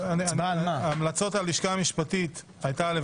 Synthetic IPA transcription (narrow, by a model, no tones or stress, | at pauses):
ananamlat͡so̞taliʃkaːmiʃpatit̪ | ajtale